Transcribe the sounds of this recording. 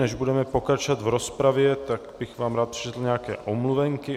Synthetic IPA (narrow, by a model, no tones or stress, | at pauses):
nɛʒbudɛmɛpokɾat͡ʃovat̪vɾospɾavjɛt̪aɡbɪxvaːmɾaːt̪̚pr̥ɪ̥t͡ʃɛt̪l̩ɲɛakɛ̰ːʔomluvɛŋkɪ